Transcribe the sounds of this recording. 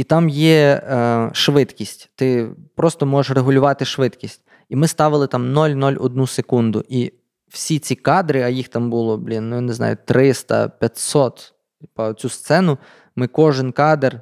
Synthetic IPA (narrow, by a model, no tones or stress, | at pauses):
it̪ɑmjɛ | ʃʋɪt̪kʲisʲtʲt̪ɪpɾɔst̪ɔmɔʒeʃreɦʊlʲʊʋɑt̪ɪʃʋɪt̪kʲisʲtʲ | imɪst̪ɑʋɪlˠɪt̪ɑmnɔlʲnɔlʲɔ̰d̪̚nusekund̪ʊ̰ʔi | w̥sʲit͡sʲikɑd̪ɾɪɐjixt̪ɑmbulˠɔblʲinːʊjɔneznɑ̰jʊt̪ɾɪst̪ɐ̰pʲjɐt̪ʲsɔt̪ | pɐt͡sʲust̪sɛnʊ | mɪkɔʒɪnkɑd̪er